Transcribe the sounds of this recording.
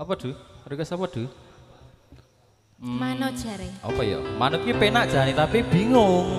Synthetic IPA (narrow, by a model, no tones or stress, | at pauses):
ɔpɔd̪̥ṳɾikəsɔpɔd̪̥ṳ | m̩manod̥ʒ̥aɾeɔ̰pɔjɔ̰manukipenaʔd̥ʒ̥a̤nit̪apib̥i̤ŋʊŋ